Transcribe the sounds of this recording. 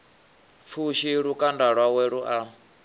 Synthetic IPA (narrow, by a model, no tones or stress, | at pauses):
fʰuʃiɺukʼandaɺwawɛɺuʔa